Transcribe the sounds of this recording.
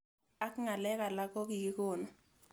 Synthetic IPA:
a˦kŋa˨lɛ˦ka˨la˦kɔ˦ki˨ki˦kʊ˦˨nɔ˨

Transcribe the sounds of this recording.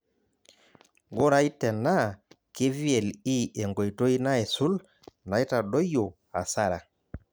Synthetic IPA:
ɡo˦ɾa˨˦i˦tɛ˨na˦˨ | ke˦vi˦ɛ˨li˦ɛ˨ŋɡɔ˨i˨to˦i˦na˦ɛ˨su˦l | na˨˦i˦ta˨ɗɔ˦jo˨ | a̰˨sa˦ɾa˨

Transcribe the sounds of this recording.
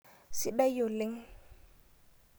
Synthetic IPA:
sɪ˦bɛ˦jo˨lɪ˦ŋ̩˦

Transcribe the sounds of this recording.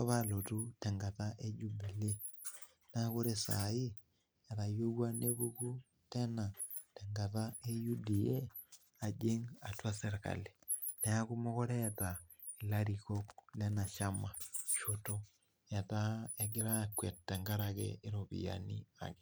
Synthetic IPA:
a˦βa˦lo˨tu˦tɛ˨ŋɡa˨ta˦ʔe˦d͡ʒu˦bi˨le˦ | na˦ko˦ɾe˦sa̰˨i˦ | e˨ɾa˨jo˦wa˦ne˦βu˦ku˦ | tɛ˦na˨ | tɛ˨ŋɡa˨ta˦e˦ju˦di˨e˦ | a˨d͡ʒe˦ŋa˨twa˦sɛɾka̰˨le˨ | ne˨a˦ku˦mo˦kɔ˦ɾɛ˦ta˨ | i˨la˦ɾi˨ko˦klɛ˦na˨ʃa˦ma˨ʃoto | ja˨ta˦e˨ɡɪ˦ɾa˦kːwe˨ttːɛ˨ŋɡa˦ɾakɛ̰ɪ˦ɾo˨bḭ˨ja̰˨nḭ˦a̰˨ke

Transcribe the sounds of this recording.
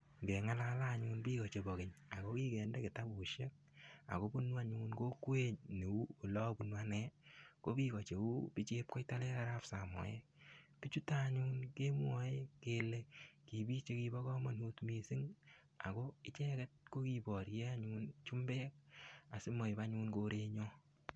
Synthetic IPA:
ŋɡe˨ŋa˦la˦la˦˨ɲuː˧nbiː˦kɔ˨t͡ʃe˨bɔ˨kɪ˨ɲa˨ko˦kiː˦kɛ˨ndɛ˦kɪ˨ta˦bu˨ʃe˦k̚a̰˨ko˦bu˦nwa˦ɲu˦nko˦kwe˦ɲne˨u˦o˨lɔ˦bu˨nwa˦nɛ˦ko˦ki˦ko˨t͡ʃe˨u˦pi˦t͡ʃeː˦p̚kɔ˦jta˦le˦ka˨ɾa˦psa˨mɔ̰˨je˦ | pi˦t͡ʃu˦ta˦ɲuː˦nke˦mwɔ˨e˦ke˨le˨ki˨bi˦t͡ʃe˦ki˧bɔ˦kɔ˦ma˨nhu˦tmi˨sɪ˦ŋ | a̰˨ko˦ɪ˦t͡ʃɛ˦kɛ˦t̚ko˦ki˨bɔ˨ɾe˦a˦ɲu˦nt͡ʃu˦mbɛː˦k̚a˨sɪ˦mɔ˨i˨ba˦ɲuː˦nko˦ɾe˦ɲɔ˦

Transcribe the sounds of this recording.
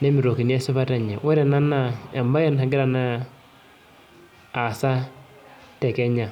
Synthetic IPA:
ne˦mi˨ɾo˨ki˨n˦ɛ˦sɪ˦βa˦ta˨ɲa˨wɛ˦ɾɛ˨na˦na˨e˨mba˦jɛ˦nha˨ɡɪ˦ɾa˨na˦˨ | sa˦ | tɛ˨kɛ˦ɲa˨

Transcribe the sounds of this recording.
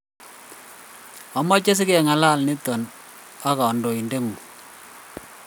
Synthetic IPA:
a˨mɔ˦t͡ʃe˦s̬ɪ˦ke˦˨ŋa˨la˦˨lni˦tːɔ˨n | a˦ka˨ɔ˨ndo˨i˨nde˦ŋu˨

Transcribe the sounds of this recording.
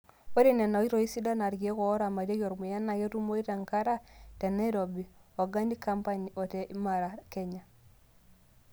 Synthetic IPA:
o˦ɾe˦nɛ˨na˨˦i˦ɾo˨i˦si˦da˦na˨ɾɡie˦kɔ˨˦ɾa˨ma˨ɾje˦ko˨ɾmu˨ja˦na˨ɣe˦tu˦mo˦i˦ɾa˨ŋka˦ɾa˦tɛ˨na˦i˦ɾɔ˨bi˨ɔ˨ɡa˦ndi˦ka˦mpa˦ɲ˨ɔ˨tɛ˨ʔi˦ma˨ɾa˨kɛ˦ɲa˨

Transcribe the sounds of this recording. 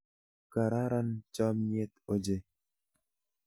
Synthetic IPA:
ka˨ɾa˦ɾa˦nt͡ʃɔ˦mɲ˦e˦t̪o˦d͡ʒe˦

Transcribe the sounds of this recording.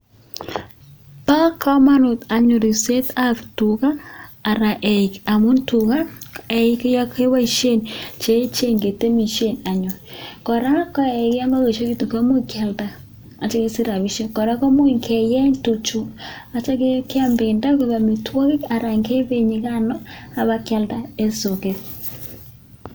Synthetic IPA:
pa˦kʰa˦ma˦no˨ta˨ɲo˨ɾi˨se˦ta˦ftu˨ɣaː˦˨ɾa˨ʔɛ˨ika˨mu˦ntu˨ɣa˦ɛ˨i˦kja˦ke˦wa˦i˦ʃe˦˨nt͡ʃe˦t͡ʃe˦ŋɡe˨te˦mi˨ʃe˦˨na˨ɲo˨ɾikɔ˨ɾa˦kɔ˦ɛ˨ɣe˦ja˦ŋɡa˦ɣe˨ʃo˦ki˦tu˨ka˦mo˦ka˦lda˦ | a˨t͡ʃe˦ɣe˦si˦ɾa˨βi˦ʃe˦kɔ˨ɾa˦ko˦mo˦i˨ŋkʰe˨jɛ˦tu˨t͡ʃu˨ | a˨t͡ʃa˦ke˦kja˦mbe˨nda˦ke˦βa˨me˨twɔ˦ɣe˦ka˨ɾa˨ŋke˦βe˦˨ɲi˨ɣa˦nɔ˦a˨βa˦kja˦lda˦e˦so˨ke˨k

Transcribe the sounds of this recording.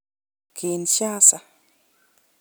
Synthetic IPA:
kʰi˨nʃja˦sa˨

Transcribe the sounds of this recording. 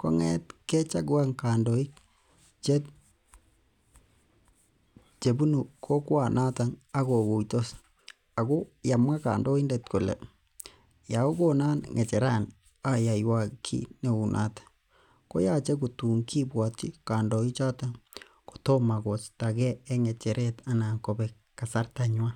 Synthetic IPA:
kɔ̰˦ŋɛ˦tkɛ˦t͡ʃa˦ɡwa˦ŋkaː˨ndɔ˨i˦k | t͡ʃɛ˦t | t͡ʃe˨bu˦nu˨kʰo˦kwa˨nʔa˦ta˨ŋa˦ko˨ku˨jto˦s | a˨ko˦ja˨mwa˦ka̰ː˨ndɔ˦i˦nde˨t̚ku˨lɛ̰˨ | ja˨o˦ko˦na˦nŋe˨t͡ʃɛ˨ɾa˦˨n | a˦ja˨jwa˨kʰḭ˦ne˨u˨nʔa̰˨tḁ˨ | ko̰˦ja˦t͡ʃɛ˦k̬u˨tu˨ŋkʰi˦bwa˨t͡ʃi˦kaː˨ndɔ˨i˦t͡ʃa˦ta˨ŋ | ko̥˨to˦ma˨ko˨t͡ʃta˨kɛː˦ŋɛ˨t͡ʃɛ˨ɾʔɛ˦ta˨na˨ko˨bɛ˨ | kːa˨sa˦rta˨ɲwa˦

